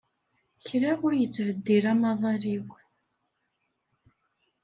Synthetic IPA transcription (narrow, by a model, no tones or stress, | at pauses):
çɾaʁʊɾjət͡sːvəd̪ːiɾamɑðˤɑɾiw